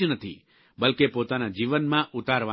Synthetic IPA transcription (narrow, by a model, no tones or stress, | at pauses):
ənət̪ʰḭ | bəlkepoːt̪anad͡ʒiʋənmãʔʊt̪aɾʋa